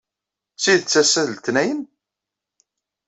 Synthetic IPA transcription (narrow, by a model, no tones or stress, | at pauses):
siðt͡sːæsæðəlt̪næjən